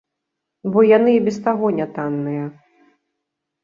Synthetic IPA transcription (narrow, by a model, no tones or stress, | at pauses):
bɔjanɨbʲɛst̪aɣɔnʲat̪anːɨjɐ